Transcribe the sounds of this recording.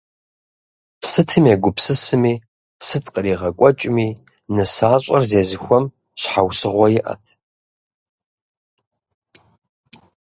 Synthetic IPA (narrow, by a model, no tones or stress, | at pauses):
sɨtʰɨmeɡʷʊpsɨsɨmiː | sɨtʰqəriːʁɐkʷʼɔt͡ʃʼɪmiː | nɨsaːɕʷʼɐrzeːzɨxʷɔm | ɕħawsɨʁʷɔjɪʔɐ̰tʰ